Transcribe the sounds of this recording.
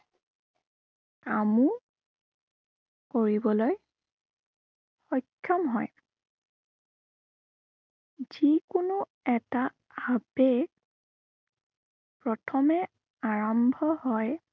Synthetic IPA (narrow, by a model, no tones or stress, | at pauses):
amu | koɹibɔloj | xɔkʰːɔmɦɔj | z̥ikʊnʊ | ɛta | abeɡ | pɹɔtʰɔmɛ | aɹɔmbʱɔhɔj